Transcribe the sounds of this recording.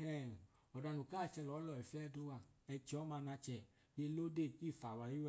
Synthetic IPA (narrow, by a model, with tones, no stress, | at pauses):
ɛ˨ | ɔ˨da˧nu˨kaː˦˨t͡ʃɛ˧lɔ˨˦lɔ˨i˨fi˦ɛ˦du˦wa˨ɛ˧t͡ʃi˨ɔ˨˦ma˧na˧t͡ʃɛ˧˨ | je˧˦lo˦de˦˨ki˦˨fa˨wa˨ji˦wɛ˧